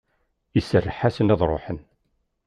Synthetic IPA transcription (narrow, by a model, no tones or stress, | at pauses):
isərːəħasənæðˤɾˤo̰ħən